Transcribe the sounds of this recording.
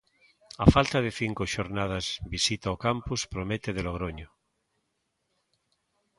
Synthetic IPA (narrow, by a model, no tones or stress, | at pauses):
afalt̪aðeθiŋkoʃoɾnað̞azbisit̪aokampuspɾomet̪eðeloɣɾoɲo